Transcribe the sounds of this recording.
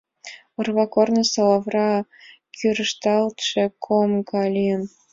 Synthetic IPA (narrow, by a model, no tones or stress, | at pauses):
ɤ̆rβɑkornə̆sɑlɑvrɑ | kʰyɾəʃt̪ɑlt̪ʃĕkʰomɡɑlʲiəm